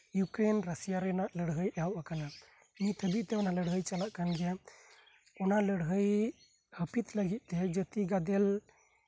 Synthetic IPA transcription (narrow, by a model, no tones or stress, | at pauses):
jukɾenɾəsijaɾɛnaʔləɽɦəjawʔakana | mĩt̪ʰəbit̪ɛɔnaləɽɦəjt͡ʃalaʔkanɡɛ | ɔnaləɽɦəj | həpit̪ləɡit̪̚ˀt̪ɛd͡ʒət̪iɡad̪ɛl